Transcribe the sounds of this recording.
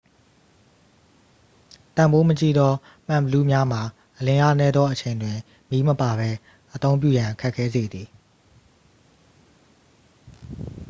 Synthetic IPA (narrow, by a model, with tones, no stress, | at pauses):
t̪ã˨mbo˦mət͡ɕḭ˦˨d̪ɔ˦ | m̥ã˨bəlṵ˦˨mja˦m̥a˨ | ʔəlɪ̃˨ʔa̰˦˨nɛ˦d̪ðɔ˦ʔət͡ɕʰẽ˨ɪ̃ndwɪ̃˨ | mji˦məpa˨βɛ˦ | ʔət̪õ˦ʊ̃mp̬jṵ˦˨jã˨kʰɛ˦ʔkʰːɛ˦ze˨d̪ði˨